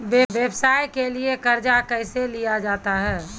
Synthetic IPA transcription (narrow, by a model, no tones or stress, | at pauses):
ʋeʋjebsaːjkeliekəɾd͡ʒakəɪselijad͡ʒaːt̪aɦɛː